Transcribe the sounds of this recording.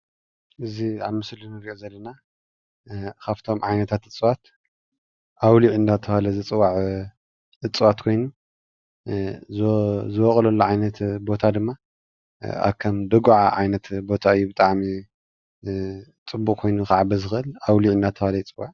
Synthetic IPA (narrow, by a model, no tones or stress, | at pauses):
ʔɨziaβmɨslɨnɨɾiʔozɐlːɐna | kʰaft̪ʰo̞mʕajnɐt̪ʰat̪ɨt͡sʼɨwat̪ | ʔawliʕɨnd̪at̪ʰɐfalɐzɨt͡sʼɨwaʕ | ʔɨt͡sʼɨwat̪kʰo̞jnu | zɨwɔχʼɐlɐlːuʕajnɐt̪bo̞t̪ʰad̪ɨmːa | a̰βkʰɐmd̪ɐɡʕaʕajnɐt̪bo̞t̪ʰaɨjːubɨt̪ʼaʕmi | t͡sʼɨbːukʼkʰo̞jnukaʕabɨzɨxʔɨlawliʕɨnd̪at̪ʰːɐhalɐjt͡sʼɨwaʕ